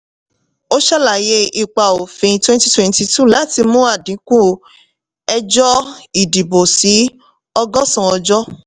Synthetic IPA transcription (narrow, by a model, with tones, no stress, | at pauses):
o˦ʃa˦la˨je˧i˦˨k͡pa˨o˨fĩ˨˧˦twɛ̃˦nti˦twɛ̃˦nti˧tu˦˨la˨˦ti˧mũ˦a˦˨dĩ˨˦kũ˦ | ɛ˧d͡ʒɔ˦i˨di˨bo˨si˨˦ | ɔ˧ɡɔ˦sɔ̃˦˨ɔ˧d͡ʒɔ˦